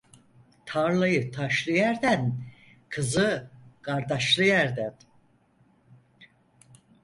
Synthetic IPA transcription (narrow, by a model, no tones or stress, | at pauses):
t̪ʰaɾlˠajɯt̪ʰaʃlˠɯjæɾd̪æn | kʰɯzɯɡaɾd̪aʃlˠɯjæɾd̪æn